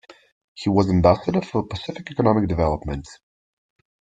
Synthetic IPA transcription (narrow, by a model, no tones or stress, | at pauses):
hiwʌzɨ̃mbæsədə˞fə˞pəsɪfɪkɛkənɑmɪk̚dɨvɛlˠəpmə̃nt